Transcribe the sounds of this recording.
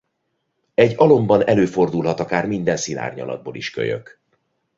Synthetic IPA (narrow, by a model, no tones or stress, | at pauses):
ɛɟːɒlo̞mbɒnɛløːfo̞rd̪ulɦɒt̪ɒkaːrmind̪ɛnsila̰ːrɲɒ̰lɒ̰d̪̚boːliʃkø̰jø̰k